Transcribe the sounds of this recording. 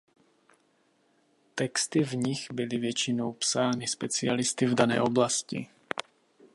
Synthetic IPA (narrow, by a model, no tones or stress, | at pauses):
t̪ɛkst̪ɪvɲɪɣbɪlɪvjɛt͡ʃɪno̞wpsaːnɪspɛt͡sɪalɪst̪ɪvdanɛ̰ːʔo̞blascɪ̰